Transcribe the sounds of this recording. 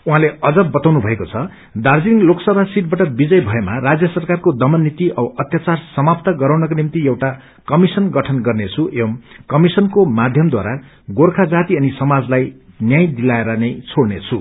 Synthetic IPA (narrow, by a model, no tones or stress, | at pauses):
uɦãleʌd͡zʌbʌt̪awnubʱʌekot͡sʰʌ | d̪ard͡ziŋloksʌbʱasiʈ̚baʈʌbid͡zʌjbʱʌemarad͡zjʌsʌrkarkod̪ʌmʌnːit̪iʌbʌt̪jat͡sarsʌmap̚t̪aɡʌɾawnʌkonimt̪ijewʈa | kʌmisʌnɡʌʈʰʌnɡʌrnet͡sʰuʔeʌmkʌmisʌnkomad̪ʱjʌmd̪wa̰ɾa | ɡorkʰad͡zat̪iʌnisʌmad͡zlaj | njaj̃d̪ilaeɾʌnʌjt͡sʰoɽnet͡sʰu